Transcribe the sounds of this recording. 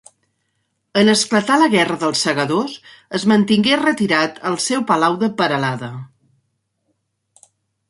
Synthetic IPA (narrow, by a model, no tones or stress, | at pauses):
ənəsklət̪aləɣɛrəðəlˠsːəɣəðos | əzmənt̪iŋɡerət̪iɾat̪əlˠsɛwpəlawðəpəɾəlaðə